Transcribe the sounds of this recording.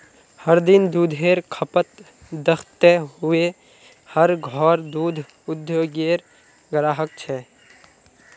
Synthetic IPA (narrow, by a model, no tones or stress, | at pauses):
həɾd̪ɪnd̪uːd̪ʱeːɾkʰəpət̪ | d̪əxʰt̪eɦʊe | həɾɡʱɔːɾd̪uːd̪ʱ | ʊd̪joːɡeːɾ | ɡəɾaːɦək̚t͡ʃʰɛː